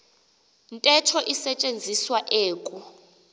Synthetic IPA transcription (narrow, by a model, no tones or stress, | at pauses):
ntʼɛtʰɔʔisɛt͡ʃʼend͡zʱiswaʔeːkʼu